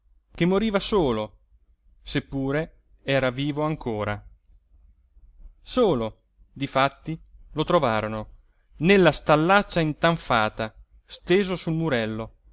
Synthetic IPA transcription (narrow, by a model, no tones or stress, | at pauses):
kemːoɾiːvasoːlo | sepːuːɾe | ɛːɾaviːvoaŋkʰoːɾa | soːlo | d̪ifat̪ːilot̪ɾovaːɾono | nelːast̪alːat͡ʃːaint̪aɱfaːt̪a | st̪eːzosulmuɾɛlːo